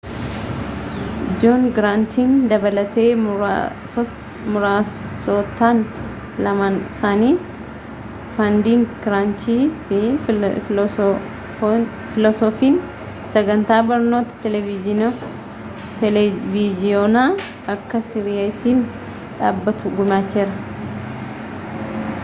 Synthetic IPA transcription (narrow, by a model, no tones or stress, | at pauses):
d͡ʒoːnɡɪɾaːnt̪iːnd̪ɐbɐlɐt̪e̞ː | mʊɾaːsoːt̪ːaːn | lɐmaːnɪsaːniː | fɐnd̪iːŋɡɪɾaːnt͡ʃiːfɪ | fɪlɔsɔfiːn | sɐɡɐnt̪aːbɐɾno̞ːt̪ɐ̥t̪ɛlɛvɪɪn | t̪ɛlvid͡ʒɪjoːnaː | ɐkːɐsɪɾɪjaɪsiːn | ᶑaːbːɐt̪ʊɡʊmaːt͡ʃːeːɾɐ